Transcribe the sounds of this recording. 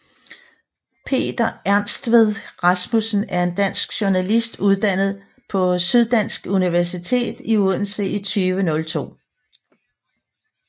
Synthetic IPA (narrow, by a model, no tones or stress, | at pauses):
pʰe̝̰ːd̥ɐæɐnsd̥ʋeð̞ˠʁɑsmusn̩æɐe̝nd̥æn̰sɡ̥ɕuɐnælisd̥uð̞ˠd̥æn̰ð̞̩ˠ | pʰɒ̽syð̞ˠd̥æn̰sɡ̥uniʋæɐsit͡sʰe̝̰ːd̥iun̩səʔit͡sʰyːʋənɔ̽lt͡sʰo̝̰ː